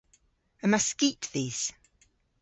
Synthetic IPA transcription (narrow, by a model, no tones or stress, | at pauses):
əməskitðiːz̥